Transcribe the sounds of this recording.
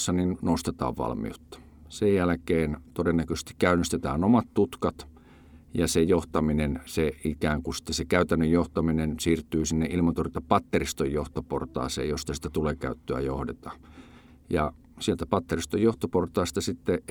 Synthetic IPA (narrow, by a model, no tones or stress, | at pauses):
sːɑninnost̪et̪ɑ̰ːʋʋɑ̰lmḭo̰t̪ːɑ̥ | sejjælækeːnt̪odenːækøse̥st̪i̥kkæynːˑist̪et̪æːnomɑt̪t̪ut̪kɑt̪ | jɑsejoht̪ɑminenseikæːŋkusi̥t̪ːesekæyt̪ænːøjjoht̪ɑminensiːrt̪ːˑyːsinːeʔilmɑnt̪orit̪ːɑpɑt̪ːerist̪ojjoht̪opo̰rt̪ɑ̰ˑːsḛːjost̪ɑsi̥t̪ːæt̪uleːkæyt̪ːøæ̰johdet̪ɑ | jɑ̰ | sielt̪æpɑt̪ːerist̪ojjoht̪oport̪ˑɑˑist̪ɑsit̪ːe